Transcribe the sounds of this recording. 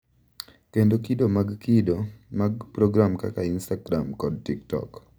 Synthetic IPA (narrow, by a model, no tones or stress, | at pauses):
kendokidomaɡkidomaɡpɾɔɡɾamka̰kainstaɡɾamkɔd̚tiktɔ̰k